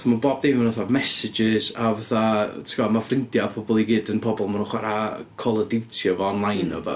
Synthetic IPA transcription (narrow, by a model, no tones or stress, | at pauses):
maboːb̚dejmanaθamɛsɪd͡ʒɪzavaθatʰə̥ɡ̥amafrɪndjapʰɔbɔlˠiɡɨːdənpʰɔbɔlˠmanunχwaɾakʰɔlˠədɪwtʰjɔvɔɔnlˠajnɔ̰bɔ̰